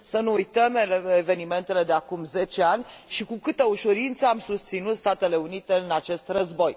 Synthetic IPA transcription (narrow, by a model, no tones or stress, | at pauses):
sənuːjt̪əmeeve̞nime̞nt̪e̞le̞d̪eakumze̞t͡ʃe̞anʲʃikukɨt̪əuʃuɾint̪səamsust̪sinut̪st̪at̪e̞le̞unit̪e̞ɨnat͡ʃe̞st̪rəzbo̞j